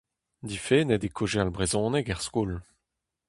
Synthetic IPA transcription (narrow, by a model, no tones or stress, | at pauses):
d̪ifenɛd̪ekʰoʒealbʁezɔ̃ːnɛkɛʁskul